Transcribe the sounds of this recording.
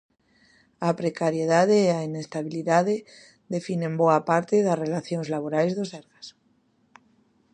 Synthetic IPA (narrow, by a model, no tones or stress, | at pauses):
apɾekaɾjeð̞að̞eːaine̞st̪aβ̞iliðaðe | ðe̞finẽmboapaɾt̪eðasrelaθjoŋzlaβ̞oɾajzðoseɾɣas